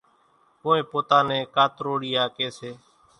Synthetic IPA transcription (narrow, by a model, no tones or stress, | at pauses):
kõːẽːpoːt̪aːnẽːkaːt̪ɾoːɽiːaːkeːseː